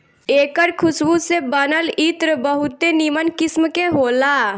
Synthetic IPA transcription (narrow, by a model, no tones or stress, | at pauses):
eːkəɾkʰʊsbusebənəlit̪ɾəbəɦʊt̪enimənkɪsmkeɦoːla